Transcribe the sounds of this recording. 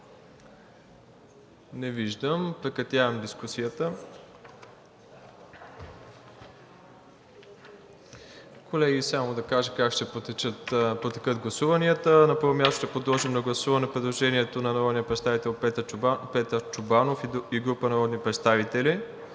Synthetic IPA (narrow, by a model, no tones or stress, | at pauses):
nɛviʒd̪əmpɾɛkɐt̪ʲjavɐmd̪iskusijət̪ə | kʰolɛɡisamod̪ɐkaʒəkakʃt̪ɛpot̪ɛt͡ʃət̪pot̪ɛkəd̪ɡlˠɐsuvɐniət̪ənɐpɤɾvomʲast̪o̥ʃt̪ɛpɾod̪lˠɔʒimnɐɡlˠɐsuvɐnɛpɾɛd̪lˠoʒɛniɛt̪onɐnɐɾɔd̪nijəpɾɛt̪st̪avit̪ɛlˠpɛt̪əɾpɛt̪əɾt͡ʃʊbanofiɡɾupənɐɾɔd̪nipɾɛt̪st̪avit̪ɛli